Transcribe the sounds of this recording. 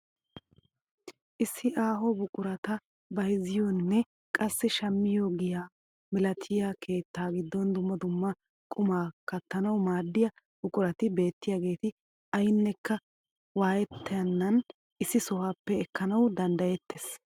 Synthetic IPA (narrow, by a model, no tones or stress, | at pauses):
ʔɪsːɪʔaːɦɔbʊkʼʊɾɐt̪ɐ | bɐjzɪjɔnːɛ | kʼɐsːɪʃɐmːɪjoːɡɪjaː | mɪlɐt̪ʰɪjakʰe̞ːt̪ːaːɡɪd̪ːɔnd̪ʊmːɐd̪ʊmːɐ | kʼʊmaːkɐt̪ːɐnɐwmaːd̪ːɪjɐ | b̥ʊkʼʊɾɐt̪ɪbe̞ːt̪ːɪjaːɡe̞ːt̪ɪ | ɐjɪnːɛkːɐ | waːjɛt̪ːɐjɐnːɐn | ʔɪsːɪsɔwaːpːɛːkːɐnɐwd̪ɐnd̪ɐjɛt̪ːes